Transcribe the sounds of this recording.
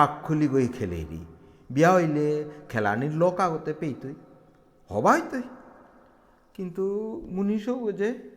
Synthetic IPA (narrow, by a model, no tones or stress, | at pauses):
akʰːuliɡojkʰelḛjɾḭ | biaɦojlekʰela̰niɾlɔkaɡɔt̪epejt̪uj | hɔ̰baɦojt̪ɔi | kint̪umunisoed͡ʒe